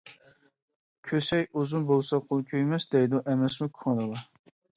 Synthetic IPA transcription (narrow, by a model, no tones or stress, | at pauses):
kʲʰøsɛjuzunbolˠsɑqʰolˠkʲʰøjmɛsd̪ɛjd̪uʔɛmɛsmukʲʰuɑd̪ɨlˠɑ